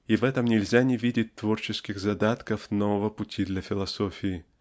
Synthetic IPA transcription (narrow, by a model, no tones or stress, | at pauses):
ivɛt̪əmnʲɪlʲzʲanʲɪvʲidʲɪt̚ʲt̪vo̞rt͡ɕɪskʲɪxzɐd̪at̪kəfnovəvəpʊtʲid̪lʲɐfʲɪlˠɐso̞fʲɪː